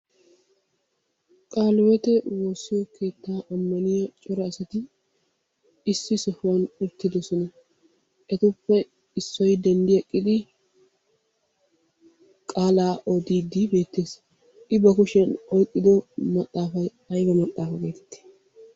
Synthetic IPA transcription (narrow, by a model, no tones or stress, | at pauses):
kʼaːlɔwɛt̪ɛwoːsːɪjɔkʰe̞ːt̪ːaːʔɐmːɐnɪjɐt͡ʃʼɔɾɐːsɐt̪ɪ | ɪsːɪsɔhʊwɐnʊt̪ːɪd̪ɔsɔnɐ | ʔɛt̪ʊpːɛ | ɪsːɔjd̪ɛnd̪ɪɛkʼːɪd̪ɪ | kʼaːlaːʔɔd̪iːd̪ɪbe̞ːt̪ːe̞ːs | ʔɪbɐkʊʃɛnɔjkʼːɪd̪ɔmɐt̪ʼːaːfɐj | ɐjbɐmɐt̪ʼːaːfɐɡeːt̪ɛ̥t̪ːe̥